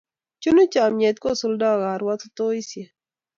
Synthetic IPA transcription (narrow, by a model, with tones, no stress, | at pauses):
t͡ʃu˦nu˦t͡ʃa˨mɲɛ˨t̪̚ko˦˨su˦lda˦˨ɣa˨ɾwa˦t̪ʊ˦t̪o˦i˦sje˨